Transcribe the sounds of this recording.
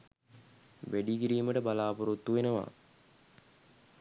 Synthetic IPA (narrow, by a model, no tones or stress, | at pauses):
ʋeɖikiɾiːməʈəbalaːpoɾut̪ːuʋenəʋa̰